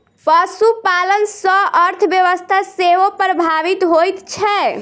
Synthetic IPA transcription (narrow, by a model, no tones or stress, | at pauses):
pəsupalənsə̃əɾt̪ʰəbjəʋəst̪ʰaseʋopɾəbʱaʋit̪ɦojt̪t͡ʃʰɛ